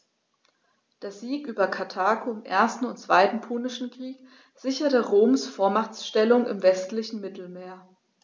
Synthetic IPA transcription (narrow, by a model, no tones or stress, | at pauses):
d̥eːɐziːkʔyːbɐkʰatʰaːkʰoɪmʔḛːɐstn̩ʊntt͡sv̥a̰ɪtn̩pʰuːnɪʃn̩kʁ̥iːk | z̥ɪçɐtəʁoːmsfoːɐmaχt͡sʃtɛlʊŋɪ̰mvɛstlɪçn̩mɪtl̩meːɐ